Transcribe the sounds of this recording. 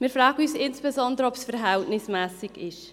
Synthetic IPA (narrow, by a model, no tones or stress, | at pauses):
mɪːɾfʁɑːɡ̥əyːsɪnsb̥ezɔndəɾəɔpsfɛɾɦɛltnɪsmɛːsɪɡɪʃ